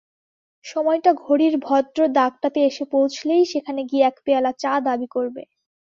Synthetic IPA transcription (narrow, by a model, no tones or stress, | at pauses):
ʃɔmɔjʈaɡʱoɽiɾbʱɔd̪ɾod̪aɡ̚ʈat̪eeʃepowt͡ɕʰlejʃekʰaneɡieɛkpealat͡ɕad̪abikoɾbḛ